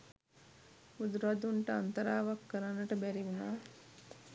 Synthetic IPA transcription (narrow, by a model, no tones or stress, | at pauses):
ud̪ɾad̪uɳʈəa̰nt̪əɾaːʋakːəɾanːəʈəbæɾiʋunaː